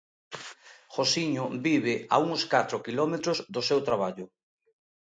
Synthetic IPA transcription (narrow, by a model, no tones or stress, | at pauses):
xosiɲʊbiβɪa̰uŋskat̪ɾokilɔmet̪ɾʊzðʊsewt̪ɾaβ̞aʎʊ